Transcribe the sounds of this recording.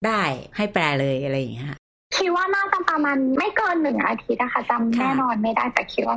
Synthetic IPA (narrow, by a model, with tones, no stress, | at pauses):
daː˥˩jha˥˩jplɛː˧lɤː˧jʔa˧ɾa˧jːa˨˩ŋi˦˥kʰa˧˥˩ | kʰi˦˥t̪̚waː˥˩naː˥˩a˨˧˩ŋ̚pɾa˧maː˧nma˥˩jkɤː˧nːɯ˨˩ŋʔa̰ː˧t̪ʰi˦˥t̪̚a˧˩kʰa˥˩t͡ɕa˧nɛː˥˩nɔː˧nma˥˩jdaː˥˩jt̪ɛː˨˩kʰi˦˥t̪̚waː˥˩